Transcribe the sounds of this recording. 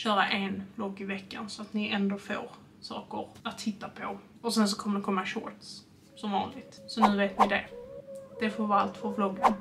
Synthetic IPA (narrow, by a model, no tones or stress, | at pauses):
ɕœːɾaʔɛnb̥lɔɡːɪvɛkːa̰nsɔat̪nɪʔɛnd̪oːfo̰ːɾ | sɑ̰ːkəɾat̪ʰːɪt̪ːapʰɔ | ɔsɛns̬ɔkʰɔmːəɖɛkʰɔmːaɕo̰ːɾʈ̪s | sɔmvɑ̰ːnlɪɡt̪sɔnʉ̟ːveːt̪nɪd̪ɛ | d̪̥ɛfɔɾvaalt̪fɔɾblɔɡːən